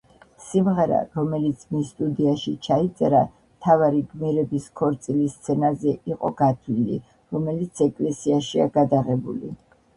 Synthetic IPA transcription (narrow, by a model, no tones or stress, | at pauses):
simʁɛɾa̰ɾɔmɛlit̪sʰmisːt̪ʼud̪iaʃit͡ʃʰait̪sʼɛɾa | mt̪ʰavaɾiɡmiɾɛbiskʰɔɾt̪sʼilist̪sʰɛnazɛʔiqʼɔɡat̪ʰvilḭ | ɾɔmɛlit̪sʰɛkʼlɛsiaʃia̰ɡad̪aʁɛbṵlḭ